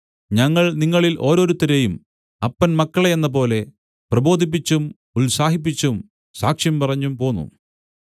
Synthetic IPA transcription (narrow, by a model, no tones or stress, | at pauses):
ɲɐŋːɐɭniŋːɐɭilʔo̞ːɾo̞ːɾut̪ɐɾejum | ɐpːɐnmɐkːɐɭeenːɐp̬o̞ːle̞ | prɐbo̞ːd̪ʱip̬ːit͡ɕːum | ulsaːɦip̬ːit͡ɕːum | saːkʂjɐmpɐrɐɲːumpo̞ːnːṵ